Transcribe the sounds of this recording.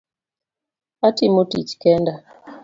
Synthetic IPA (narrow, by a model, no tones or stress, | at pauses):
atimotḭt͡ʃkɛnda